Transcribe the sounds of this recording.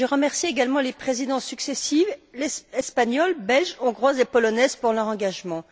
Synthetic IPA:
ʒeʁəmɛʁsieɡalmɑ̃lepχezid̪ɑ̃syksesivlɛɛspaɲɔlbɛlʒɔ̃ɡʁwazepɔlɔnɛzpuʁlœʁɑ̃ɡaʒmɑ̃

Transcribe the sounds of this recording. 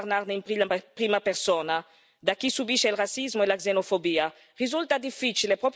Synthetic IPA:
ɾnaɾneimpipɾimapeɾsɔna | d̪akisubiʃeilrasizmoelakzenofobiːa | rizult̪ad̪ifːit͡ʃilepɾɔp

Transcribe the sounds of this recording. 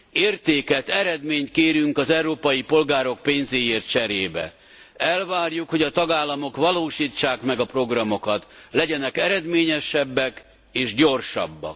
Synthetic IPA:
eːrt̪eːkɛt̪ɛɾɛd̪meːɲt̪keːɾyŋkɒzɛuɾoːpɒjipo̞lɡaːɾo̞k̚peːnzeːjeːrt̪̚t͡ʃɛɾeːbɛ̰ | ɛlvaːrjukho̞ɟɒt̪ɒɡaːlːɒmo̞kʋɒloːʃiːt͡ʃːaːkmɛɡɒpro̞ɡrɒmo̞kɒt̪lɛɟɛnɛkɛɾɛd̪meːɲɛʃɛbːɛk | eːʒɟo̞rʃɒ̰bːɒ̰k

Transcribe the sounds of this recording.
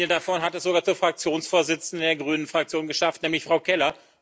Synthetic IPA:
ədafɔnɦatɛsz̥oɡaːɐt͡suːɐfʁ̥ak̚t͡sjoːnsfoːɐzɪt͡sn̩dədeːɐɡʁyːnənfʁ̥ak̚t͡sjoːnɡəʃaftnɛːmlɪçfʁ̥aʊkʰɛlɐ

